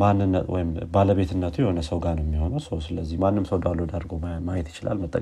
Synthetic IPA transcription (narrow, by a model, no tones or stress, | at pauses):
manːɨnːəwʔɔ̰jɪmbaləβe̞t̪ʰɨnːət̪ʰujɛho̞nəsəwɡanəwjɛmːiho̞nawsəwsɨləzːihmanːɨmsəwd̪alːo̞d̪əɾɡomajɛt̪jɪt͡ʃɪlʔa̰lmət̪ʼːə̰kʼ